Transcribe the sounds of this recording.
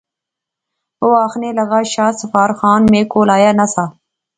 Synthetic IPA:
oaːxnelɐɣaːʃaːsɐfaːɾxɑːnmẽkoːlaːjanɐsa

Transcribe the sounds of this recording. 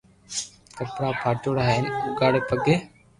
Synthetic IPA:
kəpɾaːpʰaːʈoːɽaːɦeːnʊɡaːɽepəɡeː

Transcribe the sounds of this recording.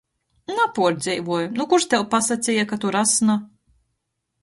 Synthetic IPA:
napuɔɾd̪zɛjvuɔjunukuɾʃt̪ɛwpasat̪sʲijakat̪uɾasna

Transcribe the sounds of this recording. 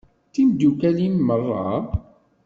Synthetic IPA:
θimd̪ukælinmərˤːɑ̰

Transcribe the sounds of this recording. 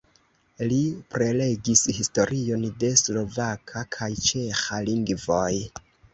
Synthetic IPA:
lipɾe̞le̞ɡishisto̞ɾʔio̞nde̞slo̞vakʰakʰajt͡ʃe̞xaliŋɡvoj

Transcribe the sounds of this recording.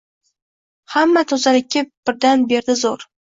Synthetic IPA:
hamːat̪ʰozalɪkʲːɪb̥ɪɾd̪anbe̞ɾd̪ɪzoɾ

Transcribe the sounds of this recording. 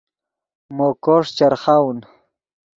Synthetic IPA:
mokoʂt͡ɕaɾχawn

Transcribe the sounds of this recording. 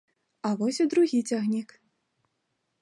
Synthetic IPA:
avɔsʲid̪ɾuɣʲit͡sʲaɣnʲik

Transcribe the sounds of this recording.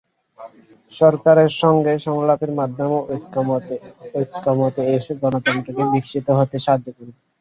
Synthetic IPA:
ʃɔɾkaɾeɾʃɔŋɡeʃɔŋlapeɾmad̪ʱːomeok̪ː | okːamot̪eeʃeɡɔnot̪ɔnʈɾokebikːʃʰit̪oɦot̪eʃad̪ʱːekuɾi

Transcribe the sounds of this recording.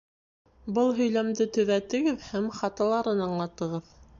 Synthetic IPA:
bɤlˠɦɵ̆jlæmd̪ɘt̪ɵ̆ðæt̪ɘ̆ɡɘðhæmχɑt̪ɑ̆lˠɑɾɤnɑɴlˠɑt̪ɤ̆ʁɤð

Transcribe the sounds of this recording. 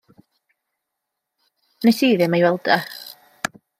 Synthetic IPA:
nesiːðɪmajwɛlˠd̥a

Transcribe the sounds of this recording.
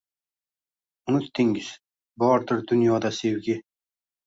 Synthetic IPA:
ʊnʊt̪ːɪŋɡɪz̥ | bɒːɾt̪ɪɾd̪ʊnjɒd̪ɑsewɡʲɪ

